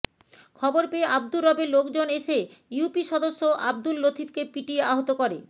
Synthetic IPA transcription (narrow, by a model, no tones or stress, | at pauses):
kʰɔboɾpeeʔab̚d̪uɾːɔbeɾlokd͡ʑoneʃejupiʃɔd̪oʃːoʔabd̪ulːot̪ʰibkepiʈieaɦot̪okoɾḛ